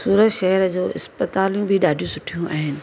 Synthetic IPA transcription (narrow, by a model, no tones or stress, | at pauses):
suːɾəʃɛɦɛɾd͡ʑoːɪ̰spət̪aːlijũbʱiɗaːɖʱijũsʊʈʰijũʔa̰ːɦɪnɪ̆